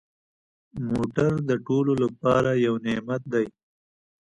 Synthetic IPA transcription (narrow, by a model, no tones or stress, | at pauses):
moʈaɾd̪əʈololapɑːɾajawnemat̪̚d̪aj